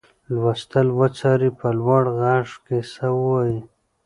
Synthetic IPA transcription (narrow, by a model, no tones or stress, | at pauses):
lwast̪əlwət͡saɾipəlwaɽɣɑʂkesawwaji